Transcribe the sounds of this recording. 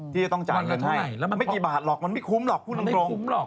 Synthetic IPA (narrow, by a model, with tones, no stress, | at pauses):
t̪ʰiː˥˩t͡ɕa˨˩t̪ɔ˥˩ŋt͡ɕa̰ː˨˧˨jka˧˩nha˥˩jma˥˩kiː˨˩baː˨˩t̪̚lɔː˨˩k̚ma˧nma˥˩jkʰu˨˦˥mlɔː˨˩k̚ʰu˥˩lu˧kɾoː˧˦˨